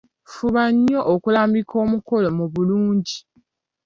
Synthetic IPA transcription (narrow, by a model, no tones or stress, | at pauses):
fuβaɲːo̞ʔokulaːmbikʰo̞ːmuko̞lo̞muβuluːɲɟi